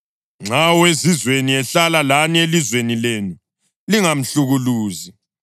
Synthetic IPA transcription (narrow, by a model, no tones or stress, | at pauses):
ŋ͡ǀawezizweniɛɬalalanielizwenilenu | liŋam̩ɬuɣuluːzi